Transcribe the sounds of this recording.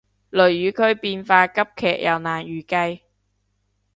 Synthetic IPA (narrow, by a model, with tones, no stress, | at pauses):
lɵ˨˩ɥjyː˨˥kʰɵ˨˧ɥpiː˧nfaː˧kɐ˥p̚kʰɛ̰ː˨˩k̚jʔɐ˨wnaː˨˩njyː˨˩kɐ˧j